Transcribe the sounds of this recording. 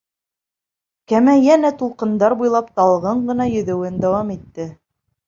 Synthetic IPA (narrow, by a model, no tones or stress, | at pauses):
kæmæjænæt̪ulˠqɤ̆nd̪ɑɾbujlˠɑpt̪ɑlˠʁɤɴɢɤ̆nɑjɵ̆ðɘ̆wɘnd̪æwɑmit̪ːɘ